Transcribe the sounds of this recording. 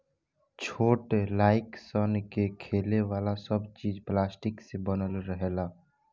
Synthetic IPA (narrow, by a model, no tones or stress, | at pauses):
t͡ʃʰoːʈlaːɪksənkekʰeːleʋaːlasəbt͡ʃiːd͡ʒplaːsʈɪksebənəlɾəɦela